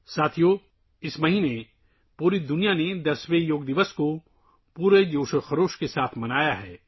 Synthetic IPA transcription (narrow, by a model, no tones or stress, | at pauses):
saːt̪ʰijo | ɪsmɐɦine | puːɾid̪ʊnijaned̪ɐsʋejoːɡd̪ɪʋəsko | puːɾed͡ʒoːʃəxɐɾoːʃkesaːt̪ʰmɐnaːjaɦɛː